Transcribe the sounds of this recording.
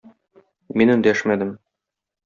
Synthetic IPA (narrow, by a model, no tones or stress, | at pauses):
minɵ̆nd̪æʃmæd̪ɘm